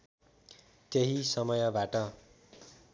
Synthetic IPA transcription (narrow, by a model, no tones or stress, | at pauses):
t̪jeɦisʌmʌjʌbaʈʌ